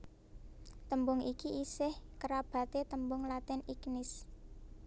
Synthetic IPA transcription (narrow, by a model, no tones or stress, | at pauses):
t̪əmbʊŋikiʔisɪhkəɾab̥a̤t̪et̪əmbʊŋlat̪ɛniknɪs